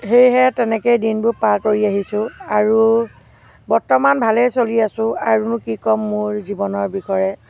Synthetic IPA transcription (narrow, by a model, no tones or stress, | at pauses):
xejɦɛtɛnɛkejdinbʊpaɹkoɹiaɦisʊ̃aɹu | bɔɹtɔmanbʱalɛjsoliasʊ̃aɹunʊkikɔmːʊɹzibɔnɔɹbikɔɹɛ